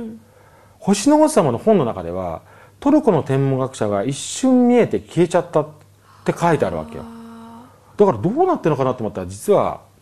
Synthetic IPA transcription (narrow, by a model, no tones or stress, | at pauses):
ho̞ɕinoɡossamano̞hõ̞nːo̞nakad̪e̞̰β̞a̰ | t̪o̞ɾɯ̟ko̞no̞t̪ẽ̞mːoɡakɯ̟̥ɕaɡaiɕːɨ̃mmːʲie̞t̪e̞kʲʰie̞t͡ɕat̪ːa | t̪ːe̞kait̪e̞a̰ɾɯ̟βa̰ke̞jo̰ | d̪̥akaɾad̪oːnat̪ːeno̞kanat̪ooːmot̪ːaɾad͡ʑit͡sɨβa̰